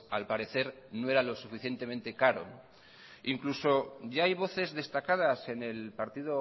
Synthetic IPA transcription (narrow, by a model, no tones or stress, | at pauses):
alpaɾe̞θe̞ɾ | noe̞ɾalo̞sufiθje̞nt̪e̞ment̪e̞kaɾo̞̰ | iŋkluso̞ɟ͡ʝaajβ̞o̞θe̞zðe̞st̪akað̞ase̞ne̞lpaɾt̪iðo